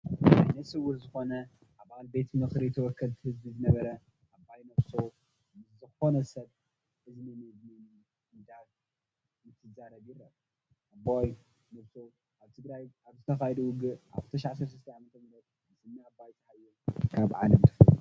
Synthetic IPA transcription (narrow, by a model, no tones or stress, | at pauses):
ʔa̰jnɐsɨwuɾzɨxo̞nɐ | ʔaβalbe̞t̪mɨxɾijt̪ʰɐwɔkʰːɐlt̪ʰɨhɨzbizɨnɐβɐɾɐ | ʔabːajnɐβsow | zɨxo̞nɐsɐβ | ʔɨzinɨmɐdnɨn | ɨd̪at̪ | jɨt̪ʰɨzaɾɐβjiɾɐ | ʔabaj | nɐβsow | ʔaβt̪ʰɨɡɾajʔaβzɨt̪ʰɐxajd̪uwʊɡɨʔa̰βɨt̪ʰɐʃaʕasɐɾsɨst̪ɐʕamɐt̪ʰɐmɨlɐt̪̚ | nɨsɨnːiabajzʰɨħajːɛkʰaβʕa̰lɐmt̪ʰɨ̥f